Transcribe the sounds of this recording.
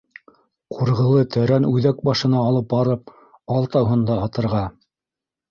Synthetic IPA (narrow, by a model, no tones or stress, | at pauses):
qʰuɾʁɤ̆lˠɤt̪ʰæɾænʉðæk̚bɑʃɤ̆nɑːlˠɤp̚bɑɾɤp̚ | ɑlˠt̪ɑwɦɤ̆nd̪ɑːt̪ɤ̆ɾʁɑ